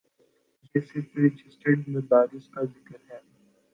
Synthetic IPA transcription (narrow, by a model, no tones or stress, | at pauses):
d͡ʒɛːsepeɾɪd͡ʒɪsʈəɖɪ̃nəbaːɾɪskazɪkəɾɦɛː